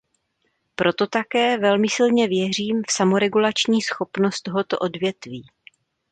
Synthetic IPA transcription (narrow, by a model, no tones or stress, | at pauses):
pɾo̞t̪o̞t̪akɛːvɛlmɪsɪlɲɛvjɛr̝iːmfsamoɾɛɡulat͡ʃɲiːsxo̞pnost̪t̪o̞ɦo̞t̪o̞̰ʔo̞dvjɛt̪viː